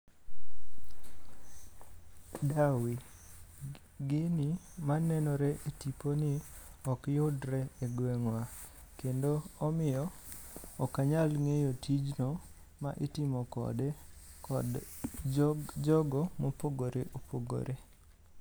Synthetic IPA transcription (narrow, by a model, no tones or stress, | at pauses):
dawi | ɡɪni | manɛnɔɾɛʔetiponɪɔkjʊdɾɛeɡwɛŋwakendoɔmɪjɔ | ɔkaɲalŋejotʰid͡ʒno | ma̰ʔɪtɪmɔkɔ̰dɛkɔ̰d | d͡ʒɔɡɔmopoɡoɾeʔopoɡo̰ɾe